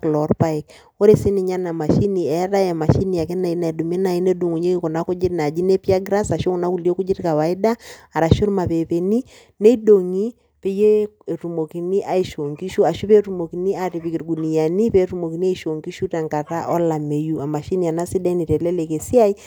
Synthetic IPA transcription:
klɔ˨rpa˦i˨k̚ | o˦ɾe˦si˦ni˨ɲa˦na˨ma˨ʃi˦ni˨ɛ˨˦ɾa˦ja˨ma˨ʃi˦ni˨a˨ke˦na˨i˦na˨i˨du˨me˦na˨i˦ne˦du˨ŋu˨ɲe˦ki˦kɔ˨na˦ku˦d͡ʒi˦tna˨d͡ʒi˦ne˦pi˦a˦ɡɾa˦sa˨ʃo˦ŋ˦na˦ku˨li˦o˦ku˦d͡ʒi˦ɾka˨wa˨i˦daː˦˨ɾa˨ʃu˦ɾma˨pe˨pe˨ni˦ | ne˦i˦do˨ŋi˦ | pe˦je˦e˨ru˨mo˨ki˨ni˦ʔa˨i˨ʃo˨ŋki˦ʃu˦a˨ʃu˦pe˦ɾu˦mo˨ki˨ni˦a˦ɾi˨pi˨ki˨ɾɡu˨ni˨ja˨ni˦pe˦ɾu˦mo˨ki˨ni˦a˦iʃo˨ŋɡi˦ʃu˦ta˨ŋka˨ta˦ʔɔ˦la˨me˨ju˦a˨ma˨ʃi˦ni˨a˨na˦si˦da˦i˦ni˨tɛ˨lɛ˦le˨ke˨si˦a˦i˦

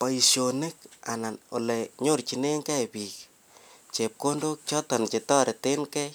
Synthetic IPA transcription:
pa˨i˨ʃjo˨ne˦k̚a̰˨na˨no̰˨le˨ɲo˦rt͡ʃi˨ne˦ŋkɛ˦pi˨k | t͡ʃe˨p̚ko˦ndo˦k̚t͡ʃɔ˦tɔ˨nt͡ʃe˨tɔ˦ɾe˨te˦nkɛ˦

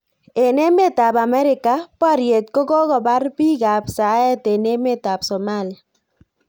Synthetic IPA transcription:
e˨ne˦me˦ta˨pa˨mɛ˦ɾɪ˨ka˨pa˦ɾje˨t̚ko˦kɔ˦ɣɔ˨ba˦rpi˦ka˨psa˨˦ɛ˦te˨ne˦me˦ta˨psɔ˨ma˦˨li˨a˨

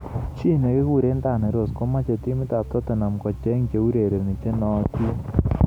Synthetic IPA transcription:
t͡ʃi˦˨ne˨ke˦ku˦˨ɾe˦nda˦˨ne˨ɾo˨sko˦ma˦t͡ʃe˨ti˦mi˦ta˨p̚tɔ˦te˨na˨mkɔ˨t͡ʃɛ˦ŋke˨˦u˦ɾe˨ɾe˨ni˨t͡ʃe˦nɔ˨˦ti˦

